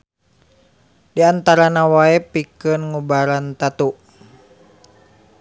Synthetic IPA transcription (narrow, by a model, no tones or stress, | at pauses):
diant̪aɾanawaɛpikənŋubaɾant̪at̪u